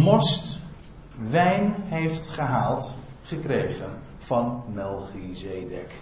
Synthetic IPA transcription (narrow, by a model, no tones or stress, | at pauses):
mɔst | ʋɛjnɦejftχəɦaːlˠt | χəkrejχən | v̥ɑnmɛlˠχizejdɛ̰k